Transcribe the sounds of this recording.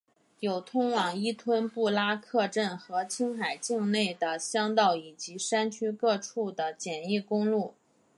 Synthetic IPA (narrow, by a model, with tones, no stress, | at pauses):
jo˨˩ʊt̪ʰʊ˥ŋwɑ˨˩ŋi˥t̪ʰwə˥npu˥˩la˥kʰɤ˥˧ʈ͡ʂə˥˩nxɤ˧˥t͡ɕʰi˥ŋxa˨˩ɪt͡ɕi˥˧ŋne˥˩ɪd̪ə˩ɕjɑ˥ŋt̪ɑ˥˩ʊi˨˩t͡ɕi˧˥ʂa˥nt͡ɕʰy˥kɤ˥˧ʈ͡ʂʰu˥˩d̪ə˩t͡ɕjɛ˨˩ni˥˩kʊ˥ŋlu˥˩